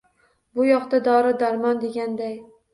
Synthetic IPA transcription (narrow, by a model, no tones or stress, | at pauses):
bʊjɒqt̪ad̪ɒɾɪd̪aɾmɒnd̪e̞ɡʲand̪aj